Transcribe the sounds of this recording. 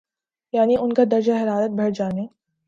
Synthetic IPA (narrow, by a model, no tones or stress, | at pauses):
jaːniʊnkad̪ɐɾd͡ʒaɦɐɾaːɾət̪̚bʱɐɽd͡ʒaːneː